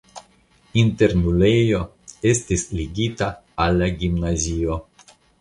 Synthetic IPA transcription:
inte̞ɾnulejo̞ | estisliɡitaalːaɡimnazio̞

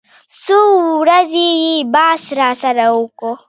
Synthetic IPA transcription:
suɾazijibasɾasaɾaukɔ

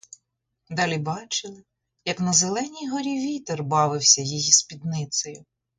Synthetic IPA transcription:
d̪ɑlʲibɑt͡ʃɪlˠɪ | jɐknɐzelˠɛnʲijɦɔɾʲiʋʲit̪erbɑʋɪwsʲɐjijispʲid̪nɪt̪sɔjʊ

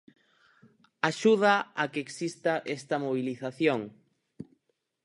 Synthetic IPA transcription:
aʃuð̞aakeeksist̪aʔest̪ɐmoβ̞iliθaθjoŋ

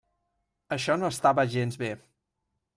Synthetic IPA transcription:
əʃɔnoəst̪aβəʒenzβe

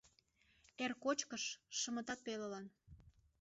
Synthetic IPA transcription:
erkot͡ɕkəʃːə̆mə̆t̪ɑt̪̚peləlɑn

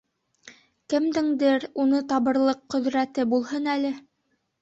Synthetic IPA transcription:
kɘ̆md̪ɘŋd̪ɘɾunɤt̪ɑβɤ̆ɾlˠɤqːɵ̆ðɾæt̪ɘbulˠɦɤnælɘ

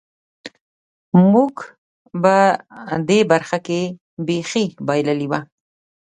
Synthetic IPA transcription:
muɡ | bad̪ebaɾxake | bexibɑjlaliwa

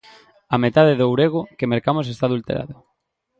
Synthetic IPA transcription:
amet̪aðɪðowɾeɣ̞ʊkemeɾkamos̬est̪aːðult̪ḛɾʔa̰ðʊ

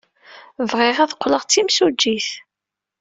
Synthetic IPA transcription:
vʁɪʁæðqʷːləʁt͡sːimsud͡ʒːiθ

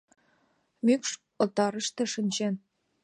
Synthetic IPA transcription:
mykʃ | ŏlt̪ɑɾə̆ʃt̪ĕʃənʲt͡ɕen

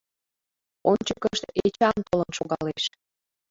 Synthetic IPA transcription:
onʲt͡ɕəkəʃt̪et͡ɕɑnt̪olənʃoɣɑleʃ

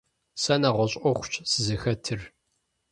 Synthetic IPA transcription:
sɐnaʁʷɔɕʼɔχʷʊ̥t͡ʃʼsɨzɨxɐtʰɨr

